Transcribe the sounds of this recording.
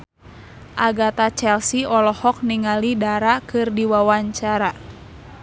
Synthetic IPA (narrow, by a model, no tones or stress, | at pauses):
ʔaɡat̪at͡ʃɛlsiɔlɔhɔk̚niŋalidaɾakɨrdiwawaɲt͡ʃaɾa